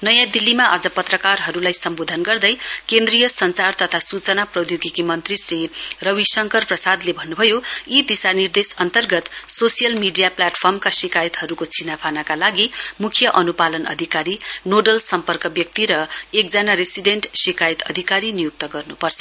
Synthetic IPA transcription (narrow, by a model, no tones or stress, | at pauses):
nʌjãd̪ilːimaʔad͡zʌpʌt̪rʌkarɦʌɾulajsʌmbod̪ʱʌnɡʌrd̪ʌjkend̪rijʌsʌnt͡sart̪ʌt̪ʰasut͡sʌnaprʌd̪joɡikimʌnt̪risrirʌwisʌŋkʌrprʌsad̪lebʱʌnːubʱʌjoid̪isanird̪esʌnt̪ʌrɡʌt̪sosijʌlmiɖijaplaʈpʰʌrmkasikajit̪ɦʌɾukot͡sʰinapʰanakalaɡimukʰjʌʔʌnupalʌnʌ̰d̪ʱikaɾinoɖʌlsʌmpʌrkʌbjʌk̚t̪iɾʌekd͡zanaɾesiɖeɳʈsikajt̪ʌ̰d̪ʱikaɾinijuk̚t̪ʌɡʌrnupʌrt͡sʰʌ̥